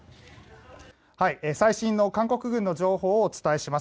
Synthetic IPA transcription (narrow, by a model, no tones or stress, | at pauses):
haiesaiɕĩnːo̞kãŋko̞kɯ̟ɡɯ̟̃nːo̞d͡ʑo̞ːho̞ːt͡sɨ̥t̪ae̞ɕimas